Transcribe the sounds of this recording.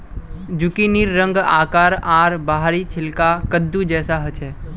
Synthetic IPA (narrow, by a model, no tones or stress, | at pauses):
d͡ʒʊkiniɾːə̃ŋɡa̰ːkaːɾaːɾbaɦɾit͡ʃʰɪlkakəd̪ːud͡ʒɛːsaɦət͡ʃʰɛː